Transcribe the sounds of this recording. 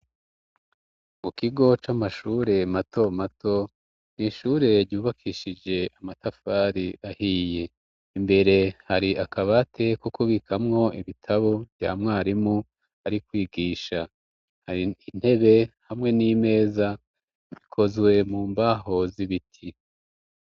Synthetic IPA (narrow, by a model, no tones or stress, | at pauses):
mukiɡo̞t͡ʃamaʃuːɾe̞mato̞mato̞ | niʃuːɾe̞ɾɟuːβakʰiʃid͡ʒe̞ʔamatafaːɾiʔahiːje̞ | imbe̞ɾe̞haɾiʔakaβatʰe̞kukuβikʰamŋo̞iβitʰaβov̥ja̰ːmŋaːɾimu | aɾikwiːɡiːʃa | hiin̥he̞βe̞hamŋe̞niːme̞ːza | ikʰo̞zwe̞muːmbaɦo̞ziβitʰi